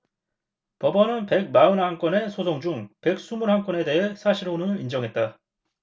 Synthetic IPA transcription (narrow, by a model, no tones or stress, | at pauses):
pʌbʌnɯnpe̞ɡ̚maɯnhaŋk͈wʌne̞sʰosʰoŋd͡ʑuŋpe̞k̚s͈umuɾɦaŋk͈wʌne̞de̞ɦe̞sʰaɕʰiɾonɯɭind͡ʑʌŋɦe̞t̚t͈a